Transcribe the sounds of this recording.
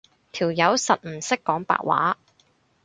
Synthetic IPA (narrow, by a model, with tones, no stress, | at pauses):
t̪ʰiː˨˩wjɐ˨˥wsɐ˨t̚m̩˨˩sɪ˥kːɔː˨˥ŋpa̰ː˨k̚wa̰ː˨˥